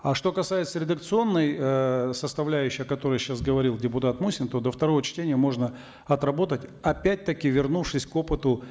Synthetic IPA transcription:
aʂt̪o̞kɐsajɪt̪səɾʲɪd̪əkt̪sɨo̞nːəjəsəst̪ɐvlʲæjʉɕːɪjɐkɐt̪o̞ɾəjɕasɡəvɐɾʲilˠdʲɪpʊt̪at̪musʲɪnt̪o̞d̪əft̪ɐɾo̞vət͡ɕtʲenʲɪjəmo̞ʐnə | ɐt̪ɾɐbo̞t̪ətʲɐpʲæt̚ʲt̪əkʲɪvʲɪrnufʂɨsʲko̞pɨt̪ʊ

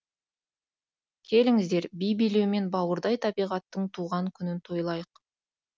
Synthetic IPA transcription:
kʲʰe̞lɪŋɪzd̪e̞ɾbijbijle̞wme̞nbɑwəɾd̪ɑjt̪ʰɑbijʁɑt̪ːəɴt̪ʰuʁɑŋkʲʰʏnɪnt̪ʰo̞jlˠɑjəq

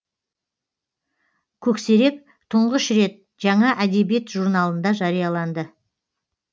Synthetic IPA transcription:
kʲʰɵkse̞ɾe̞k̚ | t̪ʰʊɴʁəʃɾe̞t̪̚ | ʒɑɴɑʔæd̪e̞bijet̪ʒuɾnɑlˠənd̪ɑʒɑɾijɑlˠɑnd̪ə

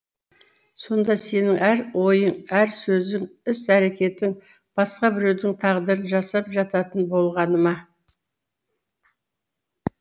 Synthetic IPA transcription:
so̞nd̪ɑse̞nɪŋæɾwo̞jəɴæɾsɵzɪŋɪsæɾe̞kʲe̞t̪ɪŋ | b̥ɑsqɑbɪɾe̞wd̪ɪŋt̪ʰɑʁd̪əɾənʒɑsɑpʒɑt̪ɑt̪ənbo̞lˠʁɑnəmɑ

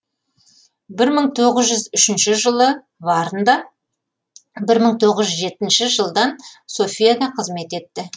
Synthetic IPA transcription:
bɪɾməɴt̪ʰoʁəzʒʏzʏʃɪnʃɪʒəlˠə | vɑɾənd̪ɑ | bɪɾməɴt̪ʰo̞ʁəzʒʏzʒe̞t̪ɪnʃɪʒəlˠd̪ɑnso̞fʲijad̪ɑqʰəzme̞t̪e̞t̪ːɪ

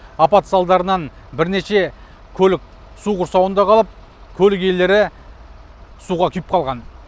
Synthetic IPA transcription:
ɑpɑt̪sɑlˠd̪ɑɾənɑn | bɪɾne̞ʃe̞ | kʲʰɵlɪk̚ʲ | suʁʊɾsɑwənd̪ɑqʰɑlˠəp̚ | kʲʰɵlɪk̬e̞le̞ɾɪ | suʁɑkʲʰʏjɪp̚qʰɑlˠʁɑn

